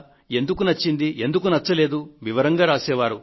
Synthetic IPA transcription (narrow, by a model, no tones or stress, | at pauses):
e̞nd̪ukunɐt͡ʃːind̪iʔe̞nd̪uk̬unɐt͡ʃːɐle̞ːd̪uʋiʋɐɾɐŋɡaːɾaːsɛːʋaːɾu